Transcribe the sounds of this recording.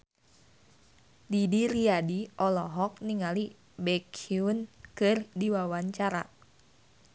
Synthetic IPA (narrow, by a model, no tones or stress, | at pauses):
didiɾiadiʔɔlɔɦɔk̚niŋali | bɛkʰiunkɨrdiwawaɲt͡ʃaɾa̰